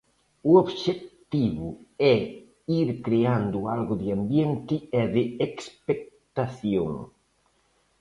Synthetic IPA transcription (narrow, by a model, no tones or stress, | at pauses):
ʊoβʃekt̪iβʊɛ | iɾkɾeand̪ʊalɣʊðɪambjɛnt̪ɪɛðɪekspek̚t̪aθjo̰ŋ